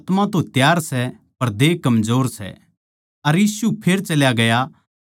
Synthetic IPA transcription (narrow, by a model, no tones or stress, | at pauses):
t̪mãt̪õt̪jaːɾsɛ | pɐɾd̪eːkɐmzoːɾsɛ̰ | ɐɾjiːsupʰeɾt͡ʃɐljaɡɐja